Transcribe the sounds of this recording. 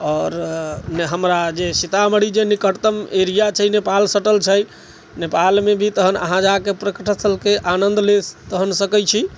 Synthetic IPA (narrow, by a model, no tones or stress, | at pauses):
ɔːɾnɦəmɾad͡ʒesit̪aməɽid͡ʒenikəʈt̪əmeɾijat͡ʃʰəjnepalsəʈəlt͡ʃʰəj | nepalmebʱit̪əɦənə̰ɦãd͡ʒakepɾəkəʈʰət̪ʰəlkeʔanənd̪let̪əɦənsəkəjt͡ʃʰi